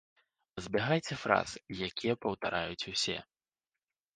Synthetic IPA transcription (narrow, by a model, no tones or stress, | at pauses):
zʲbʲɛɣajt͡sʲɛfɾa̰z̥ɨjakʲijɛpɐwt̪aɾʔajut͡sʲusʲɛ̰